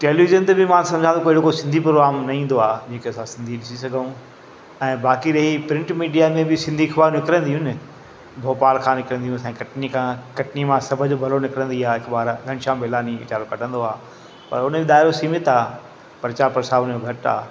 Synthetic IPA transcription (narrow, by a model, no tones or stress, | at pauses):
ʈeːliʋɪzənt̪ebɪmãːsɐ̃md͡ʑʱãd̪okoːɪɽokosɪ̃nd̪ʱipɾoːɡɾaːmnɐĩːn̆d̪oaːd͡ʑẽːkʰeɐsãsɪ̃nd̪ʱiɗɪsisɐɡʱəũ | ɛ̃ːbaːkiɾɐɦipɾɪ̃ɳʈmiːɖijamẽbɪsɪ̃nd̪ʱiːkbaːɾ̃nɪkɾə̃nd̪iɦũnɪ | bʱoːpaːlkʰãːnɪkɾə̃nd̪ijũsãːkɐʈnikʰãkɐʈnimãsɐbʱəd͡ʑbʱɐlonɪkɾə̃nd̪iaːɪkbaːɾɡʱɐɽ̃ɪʃãːbeːlaːniʋɪ̰t͡ɕaːɾõkɐʈʰə̃nd̪oaː | pɐɾʊnəbɪɗ̪aːɪɾosiːmɪt̪aː | pɐɾt͡ɕaːɾpɐɾsaːʋʊnmẽbʱɐʈa̰ː